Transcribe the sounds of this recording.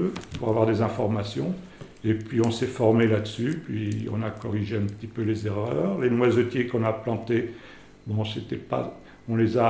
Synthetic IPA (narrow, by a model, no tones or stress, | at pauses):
øpuʁavwaʁd̪ezɛ̃fɔʁmasjɔ̃ | epɥiɔ̃sɛfɔʁmelad̪əsypɥiɔ̰̃nakɔʁiʒeɛ̃pət̪ipølezeʁœːʁlenwazɔt̪jekɔ̃naplɑ̃t̪e | bɔ̃set̪ɛpa̰ | ɔ̃leza